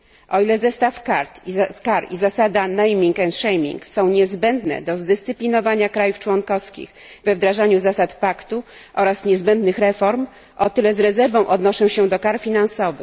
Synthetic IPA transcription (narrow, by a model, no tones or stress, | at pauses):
ʔɔilɛzɛst̪afkaɾt̪kaɾizasad̪anɛjmʲiŋkɛnt̪ʂɛjmʲḭŋksɔ̃w̃ɲɛzbɛnd̪nɛ̰d̪ɔzd̪ɘst̪sɘpʲlʲinɔvaɲakɾajuft͡ʂwɔŋkɔfskʲḭɣ | vɛvd̪ɾaʐaɲuzasat̪pakt̪u | ʔɔɾasɲɛzbɛnd̪nɘxɾɛfɔɾm | ʔɔt̪ɘlɛzɾɛzɛɾvɔ̃w̃ʔɔd̪nɔʂɔ̃w̃ɕɛd̪ɔkaɾfʲinansɔvɘ̰x